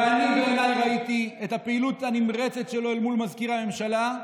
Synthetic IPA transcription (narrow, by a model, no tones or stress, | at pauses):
anibenajʁaitiethapeilutanimʁet͡setʃe̞lo̞elmulmazkiʁhame̞mʃala